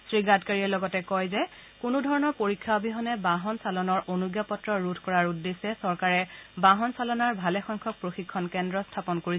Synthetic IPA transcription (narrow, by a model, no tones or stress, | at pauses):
sɹiɡatkaɹiɛlɔɡɔtɛkɔjzɛ | kʊnʊdʱɔɹɔnɔɹpoɹikʰːabiɦɔnɛbaɦɔnsalɔnɔɹʔonuɡjapɔtɹɔɹutʰkɔɹaɹudːesɛsɔɹkaɹɛbaɦɔnsalɔnaɹbʱalɛxɔŋkʰɔk̚pɹoxikʰːɔnkɛndɹɔstʰapɔnkoɹis